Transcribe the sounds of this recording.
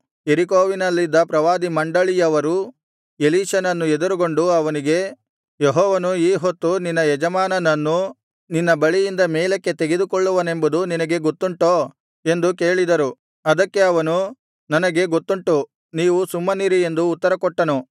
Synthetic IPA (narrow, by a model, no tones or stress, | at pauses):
jeɾikoːʋinɐlːid̪ːɐpɾɐʋaːd̪imɐɳɖɐɭijɐʋɐɾu | eliːʃɐnɐnːued̪uɾuɡo̞ɳɖuɐʋɐniɡe̞ | jeɦɔːʋɐnuiːɦot̪ːuninːɐjɛd͡ʒɐmaːnɐnɐnːu | ninːɐbɐɭijind̪ɐmeːlekːe̞t̪e̞ɡe̞d̪ukoɭːuʋɐne̞mbud̪uninɐɡe̞ɡot̪ːuɳʈoː | e̞nd̪uke̞ːɭid̪ɐɾu | ɐd̪ɐkːe̞ɐʋɐnu | nɐnɐɡe̞ɡo̞t̪ːuɳʈu | niːʋusumːɐniɾie̞nd̪uːt̪ːɐɾɐkɔʈːɐnu